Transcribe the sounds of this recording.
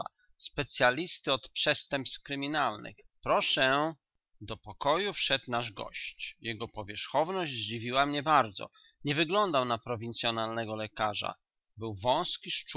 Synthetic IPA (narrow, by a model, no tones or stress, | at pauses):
a̰ | spɛt̪sʲjalʲist̪ɘɔt̪pʂɛst̪ɛmpst̪kɾɘmʲinalnɘ̰xpɾɔʂɛ | d̪ɔpɔkɔjufʂɛt̪naʐɡɔ̰ɕt͡ɕjɛɡɔpɔvʲjɛʂxɔvnɔʑd͡ʑzd͡ʑivʲiwamɲɛbaɾd̪zɔ̰ | ɲɛvɘɡlɔnd̪awnapɾɔvʲint̪sʲjɔnalnɛɡɔlɛkaʐa̰ | bɘwvɔ̃w̃skʲiʂt͡ʂ